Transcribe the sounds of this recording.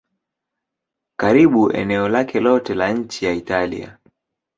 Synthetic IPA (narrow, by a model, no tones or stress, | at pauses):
kaɾiɓuɛ̰nɛɔlakɛlɔtɛlaɲ̩t͡ʃijaitalḭa̰